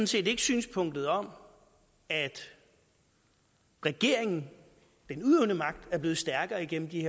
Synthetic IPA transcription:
n̩se̝̰ːde̝ɡ̥sy̰ːnspʰɔ̽ŋ̰d̥ð̞̩ˠɒ̽m | æd̥ | ʁɛɡ̥e̝ɐ̰e̝ŋn̩ | d̥enuðˠeʊnəmɑ̈ɡ̥̚d̥æɐb̥le̝ːð̞̩ˠsd̥æɐɡ̥ɐːiɡ̥en̰m̩d̥iheɐ

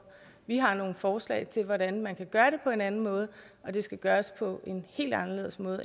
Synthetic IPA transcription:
ʋiɦɑ̈no̝ːn̩fɒːslɛ̰ɪt͡sʰe̝lʋɒɾænmænkʰæɡ̥ɶːɐɾe̝pʰɒ̽e̝nænn̩mɔ̽ːð̞̩ˠ | ɒ̽d̥e̝sɡ̥æɡ̥ɶːɐspʰɒ̽ʔe̝nhe̝̰ːld̥ɑ̈nɐle̝ð̞̰ˠəsmɔ̽ːðˠ

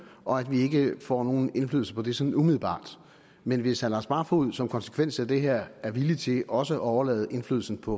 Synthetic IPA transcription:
ʔɒ̽æd̥ʋie̝ɡ̥əfɒ̰ːno̝ːn̩e̝nflyːðˠl̩səpʰɒ̽d̥e̝sɒ̽nn̩umið̩ˠb̥ɑ̰̈ːd̥ | menʋe̝shælɑsb̥ɑ̈ːfɒuð̞̰ˠsɒ̽mkʰɒ̽nsə̥kʰʋen̰sæd̥e̝ɦeɐ̰æɐʋilit͡sʰe̝lʔɒ̽səʔɒʊɐlɛ̰ːðˠəʔe̝nflyːðˠl̩sn̩pʰɒ̽

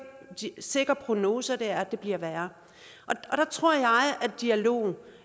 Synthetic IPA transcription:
se̝ɡ̥ɐpʰʁo̝no̝ːsɐd̥eæɐd̥e̝b̥liɐ̰ʋæːɐ | ʔɒ̽ɒ̽ɾ̥ɑ̈t͡sʰʁo̝ɐ̰jɑ̈ɪʔædd̥iælo̝̰ːn̩

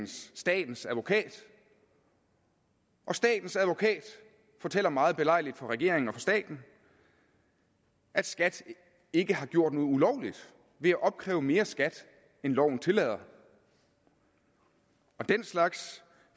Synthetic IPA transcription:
nsːd̥ɛ̰ːd̥n̩sæðˠʋo̝kʰɛ̰ːd̥ | ʔɒ̽sd̥ɛ̰ːd̥n̩sæðˠʋo̝kʰɛ̰ːd̥ | fɒ̽t͡sʰel̰ɐmɑ̈ːð̩ˠb̥e̝lɑ̈ɪ̰lid̥fɒ̽ʁɛɡ̥e̝ɐeŋn̩ɒ̽fɒ̽sd̥ɛ̰ːd̥n̩ | ʔæd̥sɡ̥æd̥ | e̝ɡ̥əhɑ̈ɡ̥jo̝̰ɐ̰d̥no̝ːð̩ˠulɒʊlid̥ | ʋe̝æʔɒ̽b̥̚kʰʁɛ̰ːʊəme̝ːɐsɡ̥æd̥ | enlɒʊ̰n̩t͡sʰe̝lɛð̰ˠɐ | ɒ̽d̥enslɑ̈ɡ̥s

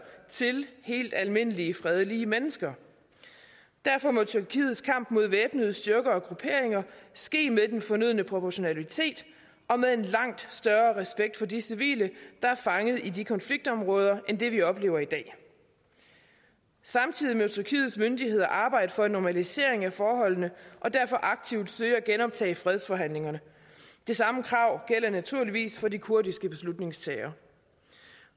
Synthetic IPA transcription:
t͡sʰe̝lhe̝̰ːld̥ælme̝n̰əliəfʁɛð̞ˠliəmenəsɡ̥ɐ | d̥æɐfɒ̽mɔ̽t͡sʰyɐkʰḭːð̩ˠskʰɑ̈m̰b̥mo̝ð̞̰ˠʋeːb̥nəð̞̩ˠsd̥yɐɡ̥ɐɒ̽ɡ̥ʁupʰe̝ɐe̝ŋɐsɡ̥e̝̰ːmeðˠd̥enfɒ̽nyðˠnəpʰʁo̝pʰɒɕo̝nælit͡sʰe̝̰ːd̥ | ɒ̽meðˠe̝nlɑ̈ŋ̰d̥sd̥ɶɐʁɛsb̥eɡ̥̚d̥fɒ̽disiʋḭːləd̥ɑ̈æɐfɑ̈ŋəð̩ˠidikʰɒ̽nfliɡ̥̚d̥ɒ̽mʁɔ̽ːð̞ˠɐʔend̥e̝ʋiɒ̽b̥le̝ːʊɐid̥ɛ̰ː | sɑ̈mt͡sʰið̞̰ˠimeðˠt͡sʰyɐkʰḭːð̩ˠsmønd̥ihe̝ð̞̰ˠɐʔɑ̈ːb̥ɑ̈ɪ̰d̥əfɒ̽e̝nːɒmælise̝̰ɐ̰e̝ŋæfɒːɦɒ̽l̰nəʔɒ̽d̥æɐfɒ̽ʔɑ̈ɡ̥̚t͡sʰiʊd̥søɪæɡ̥enɒ̽b̥̚t͡sʰɛ̰ːfʁɛð̞ˠsfɒ̽ɦæn̰le̝ŋɐnə | d̥e̝sɑ̈məkʰʁɑ̈ʊ̰ɡ̥el̰ɐnæt͡sʰuɐ̰liʋḭːsfɒ̽dikʰuɐdisɡ̥əb̥e̝slud̥ne̝ŋst͡sʰɛːɪɐ

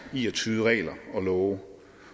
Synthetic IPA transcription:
iːɒt͡sʰyːð̩ˠəʁɛ̰ːlɐɒ̽lɔːʊ

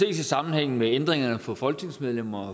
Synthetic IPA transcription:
e̝̰ːsisɑ̈mn̩heŋ̰n̩meend̥ʁeŋɐnəfɒ̽fɒ̽lɡ̥ne̝ŋsmeð̞ˠlem̰ɐɒ

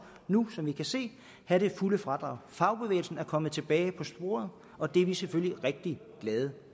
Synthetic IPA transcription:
nusɒ̽mʋikʰæse̝̰ː | hæɾe̝fuləfʁɑ̈d̥ʁɑ̰̈ʊ̰fɑ̈ʊb̥e̝ʋḛːl̩sn̩æɐkʰɒ̽mð̩ˠt͡sʰe̝b̥ɛːɪpʰɒ̽sb̥o̝̰ːɐ̰ð̞̩ˠ | ɒ̽d̥eʋiseføljiʁeɡ̥̚d̥iɡ̥lɛːð̞ˠə

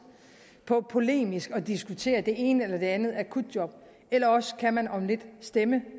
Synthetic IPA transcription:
pʰɒ̽pʰo̝le̝̰ːmisɡ̥ɒ̽d̥isɡ̥ut͡sʰe̝̰ːɐd̥e̝e̝ːnəelɐd̥e̝ænð̩ˠækʰud̥̚ˠdjɒ̽b̥ | elɐɒ̽sə̥kʰæmænɒ̽mle̝d̥sd̥emə

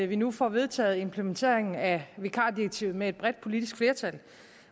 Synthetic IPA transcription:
ʋinufɒʋe̝ðˠt͡sʰɛ̰ːð̩ˠe̝mpʰlement͡sʰe̝̰ɐ̰eŋn̩æʋekʰɑ̰̈ːd̥iɐɡ̥̚t͡sʰḭʊð̩ˠmee̝d̥̚b̥ʁɛd̥̚pʰo̝lid̥isɡ̥fle̝ɐt͡sʰæl

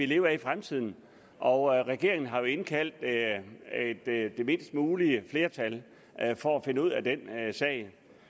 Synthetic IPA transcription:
ʋile̝ːʊɐifʁamt͡sʰið̞̰ˠn̩ | ʔɒ̽ʁɛɡ̥e̝ɐ̰eŋn̩ɦɑ̈jo̝e̝nkʰæl̰d̥ | ed̥d̥e̝me̝̰nsd̥muːliəfle̝ːɐt͡sʰæl | fɒ̽æfe̝nəuð̞̰ˠæd̥ensɛ̰ɪ

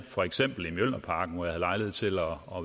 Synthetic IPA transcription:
fɒ̽eɡ̥sem̰b̥l̩imjøl̰ɐpʰɑ̈ːɡ̥n̩ʋɒjɑ̈hæðˠlɑ̈ɪleð̞̩̰ˠt͡sʰe̝lɒ̽ː

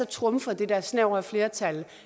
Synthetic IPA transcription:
ɒ̽t͡sʰʁɔ̽mfɒd̥e̝d̥æɐsnɛʊ̰æfle̝ːɐt͡sʰæl

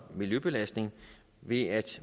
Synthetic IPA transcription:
miljøb̥e̝læsd̥ne̝ŋ | ʋe̝æd̥

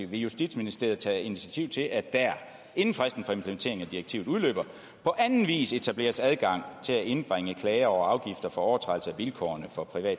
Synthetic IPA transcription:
ḭʋe̝jusd̥id̥sminisd̥e̝ɐð̩ˠt͡sʰɛːinit͡sʰiæt͡sʰiʊt͡sʰe̝lʔæd̥æɐ | e̝nn̩fʁasd̥n̩fɒ̽e̝mpʰləment͡sʰe̝ɐeŋnæd̥iʁɐeɡ̥̚t͡sʰḭʊð̩ˠuðˠlø̰ːb̥ɐ | pʰɒ̽ʔænn̩ʋḭːse̝t͡sʰæb̥le̝ːɐsæðˠɡ̥ɑ̈ŋ̰t͡sʰe̝læʔe̝nəb̥ʁeŋəkʰlɛɪɐɒʊɑ̈ʊɡ̥ifd̥ɐfɒ̽ɒʊɐt͡sʰʁɑdl̩səæʋilkʰɒ̰ɐnəfɒ̽pʰʁiʋɛ̰ːd̥

